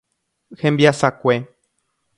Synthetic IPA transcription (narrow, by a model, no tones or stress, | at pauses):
hembiasakʷe